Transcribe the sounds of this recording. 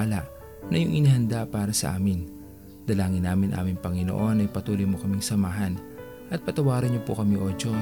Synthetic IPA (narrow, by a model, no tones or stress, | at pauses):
lɐʔ | nɐjʊŋʔɪnɪhɐnd̪apaːɾɐsɐ̰ʔa̰ːmɪn | d̪̥ɐlaːŋɪnːaːmɪnʔa̰ːmɪŋpɐŋɪno̰ʔo̞nɐjpɐt̪uːlojmokɐmɪŋsɐmaːɦɐn | ʔɐt̪̚pɐt̪ɐwaːɾɐɲɲopʊ̰kɐmiʔoːt͡ʃo